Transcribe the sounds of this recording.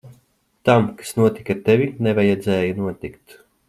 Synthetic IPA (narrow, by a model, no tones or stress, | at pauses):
t̪amkḁsnuɔt̪ikat̪ɛvʲinevajɛd̪zɛːjanuɔt̪ikt̪